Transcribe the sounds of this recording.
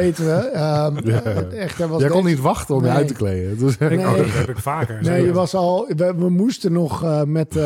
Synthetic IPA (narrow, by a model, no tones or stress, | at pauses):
ejtəʋəə | ɛxtəʋɔskɔnːitʋaxtəɔmjəœɥtəklejədøsneɛpɪfaːkəneːjəʋɑsɔlˠʋəʋəmustənɔxmɛt